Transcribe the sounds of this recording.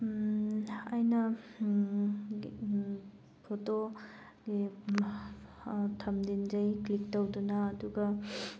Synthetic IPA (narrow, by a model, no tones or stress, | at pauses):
ɐjnɐ | pʰoto | ɡi | tʰɐmdind͡ʒɐjklik̚tɐwdunɐːduɡɐ